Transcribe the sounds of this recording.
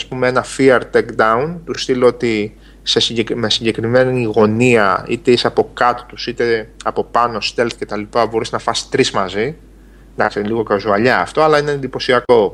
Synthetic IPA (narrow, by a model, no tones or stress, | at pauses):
ɐspumeenɐfiɐɾt̪ekd̪ɐunt̪ust̪iloot̪i | se̞siɲɟekme̞siɲɟe̞kɾime̞niːɣo̞niɐit̪eisɐpo̞kɐt̪o̥t̪usit̪e̞ɐpo̞pɐno̞st̪e̞lθce̞t̪ɐlipɐbo̞ɾiznɐfɐsi̥t̪ɾizmɐzi | nd̪ɐksiliɣo̞kɐzuɐʎɐ̰ːft̪o̞ɐlɐineend̪ipo̞siɐko̞